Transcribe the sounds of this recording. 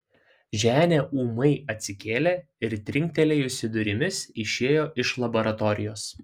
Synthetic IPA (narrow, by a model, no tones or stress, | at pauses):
ʒʲæːnʲeːʔuːmɐɪɐt̪ʲsʲɪkʲeːlʲeː | ɪɾt̪ʲɾʲɪŋʲk̚ʲt̪ʲɛlʲɛɪʊʃsʲɪd̪ʊɾʲɪmʲɪsɪʃʲeːjoːʔɪʃlˠɐboɾɐt̪ɔɾʲɪ̰joːs